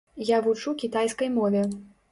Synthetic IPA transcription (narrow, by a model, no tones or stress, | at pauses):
javut͡ʂukʲit̪ajskɐjmɔvʲɛ